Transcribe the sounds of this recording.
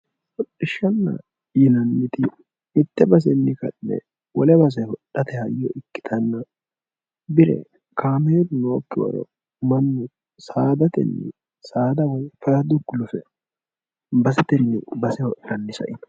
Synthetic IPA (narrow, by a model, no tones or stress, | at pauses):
hɔɗːɪʃːɐnːɐ̰ | jɪnɐnːɪt̪ɪː | t̪ːɛbɐs̬ɛnːɪkɐ̰nːɛ̰ | wɔlɛbɐs̬ɛhɔɗːɐt̪ɛhɐjːɔʔɪkːɪ̥t̪ʰɐnːɐ | bɪɾɛ̰ | kaːmeːd̪ʊnoːkːɪwɐ̰ɾɔ̰ | mɐnːɪ | saːd̪ɐt̪ɛ̰nːɪ̰ | saːd̪ɐwɔjfɐɾɐd̪ʊɡːʊlʊfɛ | bɐsɛt̪ɛnːɪ̰bɐsɛhɔʔːɐnːɪsɐ̰ʔɪn